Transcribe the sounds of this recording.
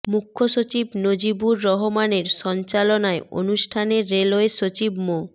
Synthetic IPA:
mukʰːoʃot͡ɕibnod͡ʑibuɾːɔɦomaneɾʃɔnt͡ɕalonaeo̰nuʃʈʰaneɾːeloeʃot͡ɕibmo

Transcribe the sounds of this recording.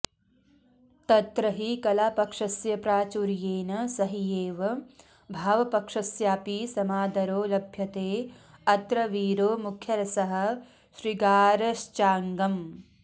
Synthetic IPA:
t̪ɐt̪ɾɐɦikɐlaːpɐkʂɐsjɐpɾaːt͡ʃuɾjeːnɐsɐɦijeːʋɐ | bʱaːʋɐpɐkʂɐsjaːpisɐmaːd̪ɐɾoːlɐbʱjɐt̪eː | ɐt̪ɾɐʋiːɾoːmukʰjɐɾɐsɐɦɐ̆ | ʃɾiɡaːɾɐʃt͡ʃaːŋɡɐm

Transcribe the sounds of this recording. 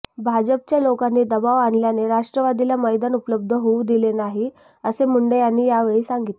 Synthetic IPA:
bʱad͡ʑəp̚t͡ɕjalokanːiːd̪əbaʋaɳljaneɾaʂʈɾəʋad̪ilaməjd̪anupələb̚d̪ʱəɦoud̪ilenaɦi | əsem̤uɳɖejanːiːjaʋeɭiːsaŋɡit̪e

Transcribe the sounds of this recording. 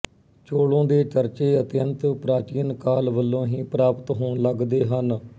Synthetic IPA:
t͡ʃoːɽõːd̪eːt͡ʃəɾt͡ʃeːət̪jənt̪pɾaːt͡ʃiːənkaːlʋəlːõːɦĩːpɾaːpət̪ɦoːɳləɡd̪eːɦən

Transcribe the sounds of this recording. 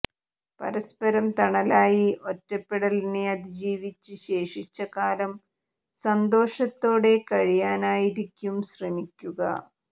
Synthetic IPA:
pɐ̰ɾɐspɐɾɐmt̪ɐɳɐlaːjiʔo̞tːɐpːeɽɐlneɐd̪id͡ʑiːʋit͡ɕːɨɕe̞ːʂit͡ɕːɐkaːlɐm | sɐnd̪o̞ːʂɐt̪ːo̞ːɽe̞kɐɻijaːnaːjiɾikʲːumɕrɐmikʲːuɣɐ̰

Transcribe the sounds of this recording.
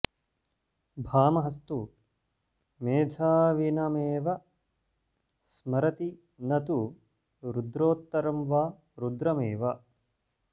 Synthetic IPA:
bʱaːmɐɦɐst̪u | meːd̪ʱaːʋinɐmeːʋɐ | smɐɾɐt̪i | nɐt̪u | ɾud̪ɾoːt̪ːɐɾɐmʋaː | ɾud̪ɾɐmeːʋɐ

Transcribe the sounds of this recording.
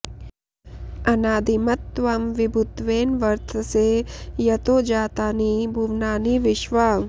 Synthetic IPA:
ɐnaːd̪imɐt̪ːʋɐmʋɪbʱʊt̪ʋeːnʋɐɾt̪ʰəsejɐt̪oːd͡ʒaːt̪aːnibʱuʋnaːniʋɪʃʋaː

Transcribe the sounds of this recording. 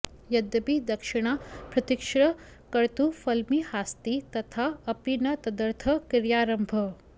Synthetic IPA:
jɐd̪ɐbid̪ɐkʃiɽ̃apɾɐt̪ikʂɾɐ | kɐɾt̪ufɐlmihaːst̪it̪ɐt̪ʰaɐpinɐt̪ɐd̪əɾt̪ʰɐkiɾjaːɾɐmbʱə

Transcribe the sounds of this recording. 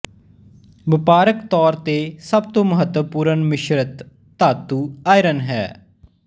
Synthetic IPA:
ʋɪpaːɾəkt̪ɔːɾt̪eːsəb̚t̪õːməɦət̪wəpuːɾənmɪʃɾət̪ː | aːt̪ːuːaːjɾənɦɛ̰ː

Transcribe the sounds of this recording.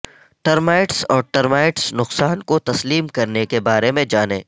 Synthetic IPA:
ʈɐɾmaːɪʈsɔːɾʈɐɾmaːɪʈsnʊqsaːnkot̪ɐsliːmkɐɾnekebaːɾemẽd͡ʒaːnḛː

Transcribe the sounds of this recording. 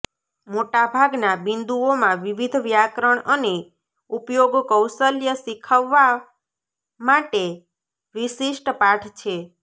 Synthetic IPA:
moʈabʱaɡnabind̪uomãʋiʋid̪ʱʋjakɾəɳəne | upjoɡkəwsəljəsikʰəʋːa | maʈe | ʋisiʃʈpaʈʰt͡ʃʰe

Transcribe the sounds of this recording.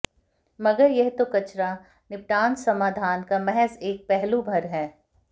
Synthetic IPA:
mɐɡəɾjɛɦt̪okɐt͡ʃɾa | nɪp̚ʈaːnsɐmaːd̪ʱaːnkamɛɦɛseːk̚pɛɦlubʱɐɾɦɛː

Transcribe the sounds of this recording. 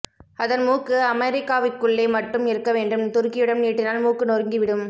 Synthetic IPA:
ɐðɐnmuːkːɯɐmɐɾɪkːaːʋɪkːɯɭːɐɪmɐʈːɯmɪɾɯkːɐʋeːɳɖɯmt̪ʊɾkɪjɯɽɐnniːʈːɪnaːlmuːkːɯnorŋɡiʋɪɽɯm

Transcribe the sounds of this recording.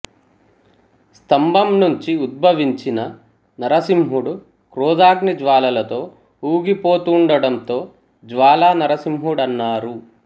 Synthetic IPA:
st̪ɐmbʱɐmnuɲt͡ʃiud̪̚bʱɐʋiɲt͡ʃinɐ | nɐɾɐsimɦuɽu | kɾuːd̪aːɡnid͡ʒʋaːlɐlɐt̪o̞ː | uːɡipo̞ːt̪uɳɖɐɽɐnt̪o̞ː | d͡ʒʋaːlaːnɐɾɐsimɦuɽɐnːaːɾu

